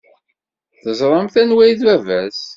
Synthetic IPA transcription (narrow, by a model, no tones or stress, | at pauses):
θəzˤɾˤəmθænwæjθvævæs